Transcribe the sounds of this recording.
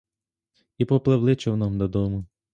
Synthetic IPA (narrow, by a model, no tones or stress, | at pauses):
ipɔplˠɪwlˠɪt͡ʃɔwnɔmd̪ɔd̪ɔmʊ